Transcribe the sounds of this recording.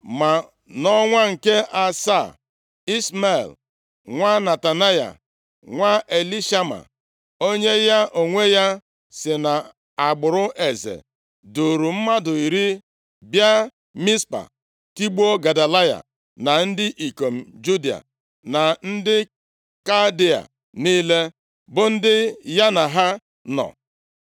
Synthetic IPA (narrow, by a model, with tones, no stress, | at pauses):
ma˨ | nɔ˦ŋʷa˦ŋ̩˨ke˦ʔa˨sa˦˨ | i˦sma̰˦˨l | ŋʷa˦na˨ta˨na˦ja̰˨ | ŋʷa˦ʔe˨li˦ʃa˦ma̰˨ | o˦ɲe˦ja˦ʔo˨ŋʷe˦ja˦ | sɪ˨na˨ | a˨ɡ͡bʊ˨ɾʊ˦ʔe˨zḛ˨ | du˨ɾu˨m̩˦ma˦dʊ˨i˨ɾi˦ | bja˦ | mi˦spa̰˨ | ti˦ɡ͡bo˦ɡa˨da˨la˦ja̰˨ | na˨n̩˦dɪ˦ʔi˨ko˨m̩˨d͡ʒu˦di˨a̰˨ | na˨n̩˦dɪ˦ | ka˦di˦a̰˨ | niː˦le˦ | bʊ˦n̩˦dɪ˦ja˦na˨ɦa˦ | nɔ̰˨